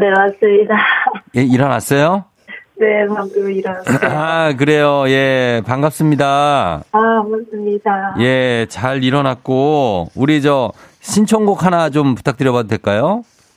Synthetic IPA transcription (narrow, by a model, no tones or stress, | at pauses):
ne̞mas͈ɯmɲidajeiɾʌnas͈ʌjo | ne̞mamdoiɾʌnaak̬ɯɾe̞joje̞paŋɡap̚s͈ɯmɲidaamas͈ɯmɲidaje̞t͡ɕaɾiɾʌnak̚k͈ouɾid͡ʑʌ | ɕʰint͡ɕʰʌŋɡokʰhanat͡ɕompu̥tʰak̚t͈ɯɾjʌβadodwe̞ɭk͈ajo